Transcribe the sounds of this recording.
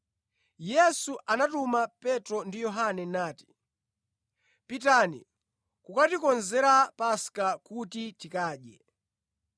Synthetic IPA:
jɛsuʔanatumapɛtɾɔndijɔɦanɛnaːti̥ | pitanḭ | kukatikɔnzɛɾapaskakutitikaːɗjɛ

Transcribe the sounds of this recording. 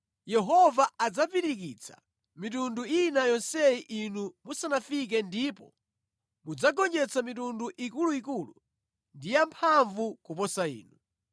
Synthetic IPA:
jɛɦɔvaad͡zapiɾikit͡sʰḁ̰ | mitunduinajɔnsɛiʔinumusanafik̬ɛndipɔ | mud͡zaɡɔnd͡ʒɛt͡samitunduʔikuluikulu | ndijampʰaɱvukupɔsaḭːnu

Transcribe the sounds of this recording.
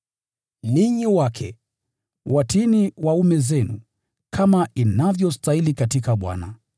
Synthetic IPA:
niɲiwakʰɛ̰ | watiniwaumɛzɛnṵ | kʰamainavjɔstailikatikaɓwa̰na

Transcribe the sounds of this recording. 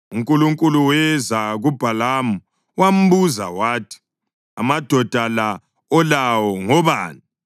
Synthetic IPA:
uŋkʼuluŋkʼuluwɛzaɣub̥ʱalamu | wam̩βuza̰waːtʰi̥ | a̰mad̥ʱɔd̥ʱala | ɔlawɔŋɔβaːni

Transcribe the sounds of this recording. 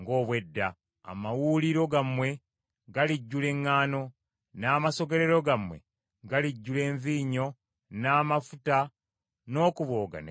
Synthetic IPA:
ŋɡo̞ːβwe̞dːa | a̰mawuliɾo̞ɡamwe̞ | ɡaliɟːule̞ŋːaːno̞ | naːmaso̞ɡe̞ɾeɾo̞ɡamwḛ | ɡaliɟːule̞ːɱviːɲo̞ | naːmafuta | no̞ːkuβo̞ːɡa̰ne

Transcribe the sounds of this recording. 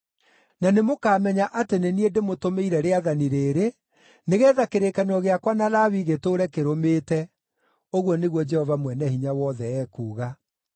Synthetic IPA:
nanemokaːmɛɲaʔateneniedemotomeiɾɛɾeaðaniɾeːɾe | neɣɛːðakeɾekanɔɣeakwanalawiɣetoːɾɛkeɾomeːtɛ | oɣwɔneɣwɔd͡ʒɛhɔvamwɛnɛhiɲawɔðɛɛːkuːɣa

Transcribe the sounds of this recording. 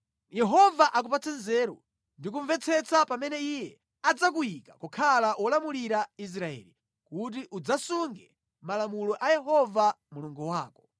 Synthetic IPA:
jɛɦɔvaʔak̬upat͡sʰɛnzɛɾɔ̰ | ndik̬uɱvɛt͡sʰɛt͡sʰapamɛnɛijɛ | ad͡zak̬ujikakɔkʰalawʔɔlamuliɾais̬ɾaɛ̰ːli | kut̬iʔud͡zasuŋɡɛ | malamulɔʔajɛɦɔva | muluŋɡuwaːkɔ̥

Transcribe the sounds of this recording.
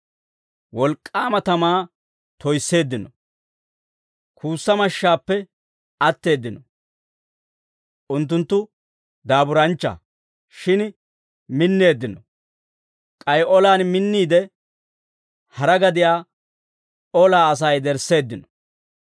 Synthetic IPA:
wɔlkʼːaːmɐt̪ɐmaː | t̪ɔjsːe̞ːd̪ːɪnɔ | kʰuːsːɐmɐʃːaːpːɛ | ɐt̪ːe̞ːd̪ːɪnɔ | ʔʊnt̪ːʊnt̪ːʊ | d̪aːbʊɾɐnt͡ʃːɐ̰ | ʃɪn | mɪnːe̞ːd̪ːɪnɔ | kʼɐjɔlaːnmɪnːiːd̪ɛ | hɐɾɐɡɐd̪ɪjaː | ɔlaːɐs̬ɐjd̪ɛɾsːe̞ːd̪ːɪnɔ

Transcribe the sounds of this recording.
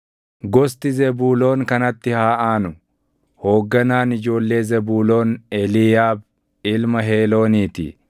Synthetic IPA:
ɡɔst̪ɪzɛbuːlo̞ːŋkɐnɐt̪ːɪhaːʔaːnʊ | ho̞ːɡːɐnaːnɪd͡ʒo̞ːlːe̞ːzɛbuːlo̞ːnɛlɪjaːb̚ | ɪlmɐɦeːlo̞ːniːt̪ɪ̰

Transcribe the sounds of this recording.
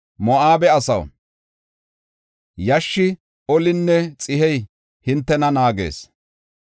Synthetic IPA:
mɔʔaːbɛɐsɐw | jɐʃːɪ | ɔlɪnːɛt͡sʼɪɦɛj | hɪnt̪ːɛnɐnaːɡḛːs

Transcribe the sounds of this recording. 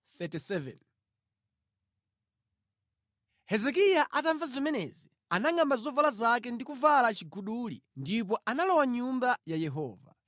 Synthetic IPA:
θɛtisɛvɛ̰n | hɛzɛk̬ijaʔataɱvazɔmɛnɛ̰zi | anaŋambazɔvalazakɛndikuvalat͡ʃiɡuɗulḭndipɔʔanalɔwaɲumbajajɛɦɔːva̰

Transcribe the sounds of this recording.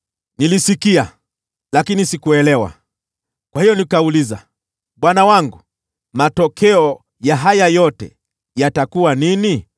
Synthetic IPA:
nilisikia | lakinisikuɛlɛwa̰ | kwahijɔnikauliza̰ | ɓwanawaŋɡu | matɔkʰɛɔ | jaɦajajɔtɛ̰ | jatakuwanini

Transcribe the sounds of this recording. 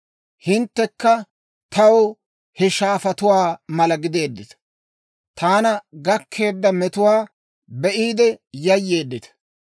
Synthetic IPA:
hɪnt̪ːɛkːɐ | t̪ɐw | hɛʃaːfɐt̪ʊwaːmɐlɐɡɪd̪e̞ːd̪ːɪt̪ɐ̥ | t̪aːnɐɡɐkʰːe̞ːd̪ːɐmɛt̪ʊwaː | bɛʔiːd̪ɛjɐjːe̞ːd̪ːɪt̪ɐ̥

